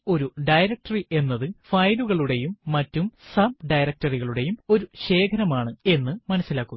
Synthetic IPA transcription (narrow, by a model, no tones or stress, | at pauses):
o̞ɾuɖɐjɾɐk̚ʈɐriʔe̞nːɐðɨfɐjluɣɐɭuɽe̞jumːɐtːumsɐb̚ɖɐjɾɐk̚ʈɐriɣɐɭuɽe̞jumo̞ɾuɕe̞ːkʰɐɾɐmaːɳɨe̞nːɨmɐnɐsːilaːkːunɐ